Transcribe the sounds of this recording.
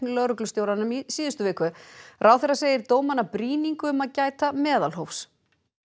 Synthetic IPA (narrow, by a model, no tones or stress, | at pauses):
nlœɾʏklʏst̪jowɾanːʏmisiːðʏst̪ʏvɪːkʏrʔawθɛɾaseːjɪɾt̪oːwmanːapɾiːniŋkʏʏmaðcaːjt̪amɛːðalɦowfs